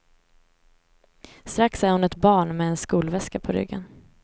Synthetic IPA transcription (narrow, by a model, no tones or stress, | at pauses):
st̪ɾaksæɾhʊnɛt̪bɑːɳmɛɛnskuːlvɛskapʰɔɾʏ̰ɡːə̰n